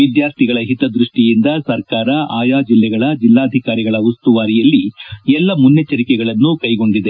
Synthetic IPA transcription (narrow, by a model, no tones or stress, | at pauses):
ʋid̪jaːɾt̪ʰiɡɐɭɐɦit̪ɐd̪ɾuʂʈijind̪ɐsɐɾkaːɾɐaːjaːd͡ʒilːɛɡɐɭɐd͡ʒilːaːɐd̪ʱikaːɾiɡɐɭɐust̪uʋaːɾijɐlːiɛlːɐmunjɐt͡ʃɐɾikɛɡɐɭɐnːukɐjɡo̞ɳɖid̪e̞